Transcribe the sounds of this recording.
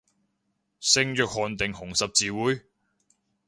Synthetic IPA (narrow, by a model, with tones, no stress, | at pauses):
sɪ˧˥ŋjœː˨k̚hɔː˨˧nt̪ɪ˨ŋhʊ˨˩ŋsɐ˨p̚t͡siː˨wuː˨˥j